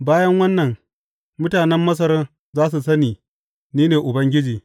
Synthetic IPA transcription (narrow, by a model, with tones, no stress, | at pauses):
baː˦jɐ˦ŋwɐ˦nːɐ˨ŋ | mʊ˦taː˨nɛ˦mːɐ˦s̬ɐ˦ɾɐ˦n | zaː˦s̬u˨sɐ˦niː˨ | niː˦neː˨ʔʊ˨bɐ˦ŋɡʲɪ˦d͡ʒiː˨